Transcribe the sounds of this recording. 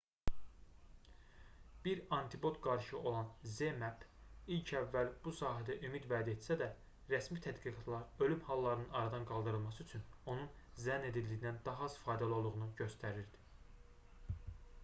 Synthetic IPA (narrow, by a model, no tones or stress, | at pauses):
b̥iɾɑnt̪ʰibo̞t̪ɡɑɾʃɯo̞lˠɑnze̞mæpilcʰævːælb̥usɑːɦæd̪æʔymid̪væːd̪æet̪sæd̪æ | ɾæsmit̪ʰæd̪ɡiɡɑt̪ʰlˠɑɾø̞lymhɑlˠːɑɾɯnɯnɑɾɑd̪ɑnɡɑlˠd̪ɯɾɯlˠmɑsɯyt͡ʃʰyno̞nun | zæne̞d̪ild̪ijinænd̪ɑɦɑz̥fɑjd̪ælˠo̞lˠuɣʁunuɟø̞st̪æɾiɾd̪i̥